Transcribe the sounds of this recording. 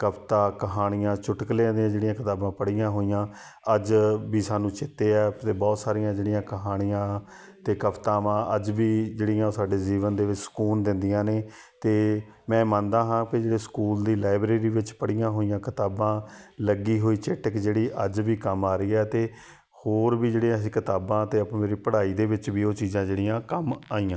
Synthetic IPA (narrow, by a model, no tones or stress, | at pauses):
kəpt̪aːkəɦaːɽ̃ɪjãːt͡ʃʊʈklẽd̪iãːd͡ʒeːɽijãːkɪt̪aːbãːpəɽijãːɦoːijãː | əd͡ʒbiːsaːnũːt͡ʃɪt̪ːeːɛːt̪eːbɔːt̪saːɾijãːd͡ʒeːɽɪjãːkəɦaːɽ̃ɪjãː | t̪eːkəpt̪aːmãːʔəd͡ʒbiːd͡ʒeːɽɪjãːsaːɖeːziːʋənd̪eːʋɪt͡ʃsə̥kuːnd̪ɪ̃nd̪ɪjãːneː | t̪eː | mɛ̃ːmənd̪aːɦãːkɪd͡ʒeːɽeːsə̥kuːld̪iːlaːɪbɾeːɾiːʋɪt͡ʃpəɽɪjãːɦoːijãːkɪt̪aːbãːləɡiːɦoːiːt͡ʃeːʈəkd͡ʒeːɽiːʔəd͡ʒʋiːkəmaːɾəiːɛːt̪eː | hoːɾbiːd͡ʒeːɽiãsĩːkɪt̪aːbãːt̪eːəpːmeːɾiːpəɽaːiːd̪eːʋɪt͡ʃbiːoːt͡ʃiːzãːd͡ʒeːɽɪjãːkəmaːiːãː